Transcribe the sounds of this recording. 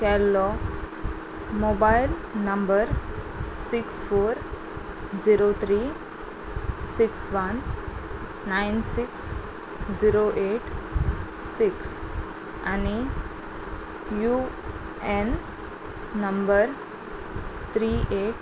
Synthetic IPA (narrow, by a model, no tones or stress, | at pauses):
kɛlːɔ | mobajlnəmbəɾ | siksfoɾ | d͡ziɾot̪ʰɾi | siksʋənː | ainsiks | d͡ziɾoʔeʈ | siks | ani | ju | enː | əmbəɾ | t̪ʰɾiʔeʈ